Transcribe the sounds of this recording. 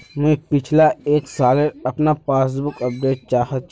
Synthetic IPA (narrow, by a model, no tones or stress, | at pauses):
mẽpɪt͡ʃʰlaeːksaːlẽɐpnapaːsbʊkɐp̚ɖeːʈ̚t͡ʃaːɦət̪t͡ʃ